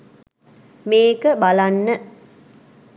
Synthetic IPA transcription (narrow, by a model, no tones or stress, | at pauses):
meːkəbalanːə